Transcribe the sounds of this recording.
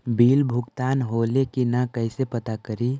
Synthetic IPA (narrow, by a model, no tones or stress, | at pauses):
biːlbʱʊɡt̪aːnɦoːlekinakəɪsepət̪akəɾi